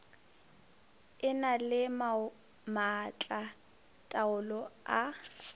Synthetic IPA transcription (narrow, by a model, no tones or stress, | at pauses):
ɪnalɪma | mat͡ɬʼa | tʼaʊlɔa